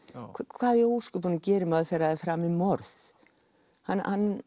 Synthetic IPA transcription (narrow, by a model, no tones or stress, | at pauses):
kʰkʰvaːðjɛɣuskʏpunʏcɛːɾɪmaðθɛɾaðɛfɾaːmimɔɾθ | hanhanː